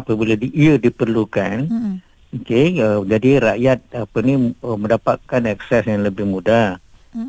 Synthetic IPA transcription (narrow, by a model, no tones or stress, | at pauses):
pəbiladiʔiədipərlukan | okeəd͡ʒadiɾaʔjat̪̚apənimə̃ndapat̪̚kanɛk̚sɛsjaŋləbɪhmuda